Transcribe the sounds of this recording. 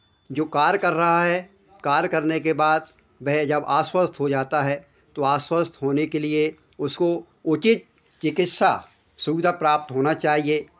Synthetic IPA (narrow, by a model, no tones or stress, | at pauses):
d͡ʒoːkaːɾkɐɾːɐɦaɦɛ | kaːɾkɐɾnekebaːd̪ | bɛɦd͡ʒɐbaːswəst̪ʰɦod͡ʒaːt̪aɦɛ | t̪oaːswəst̪ʰɦoːnekelie | ʊsko | ʊt͡ʃɪt̪̚ | t͡ʃɪkɪt̪sa̰ | sʊʋɪd̪ʱapɾaːp̚t̪ɦoːnat͡ʃaːɦieː